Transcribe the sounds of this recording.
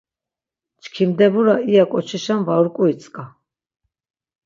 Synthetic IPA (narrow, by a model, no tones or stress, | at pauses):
t͡ʃkʰimd̪ɛbuɾaiakʼɔt͡ʃʰiʃanvauɾkʼuit̪t͡ssʼkʼa